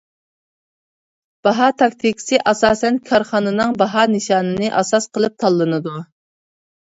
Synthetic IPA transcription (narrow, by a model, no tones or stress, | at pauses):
b̥ɑɦɑt̪ʰɑk̚ʲt̪ʰɪkʲi̥sɨʔɑsɑːsɛnkʰɑɾχɑːnɨnɨŋbɑɦɑnɨʃɑːnɨnɨʔɑsɑsqʰəlˠɨp̚t̪ʰɑlˠːɨnɨd̪u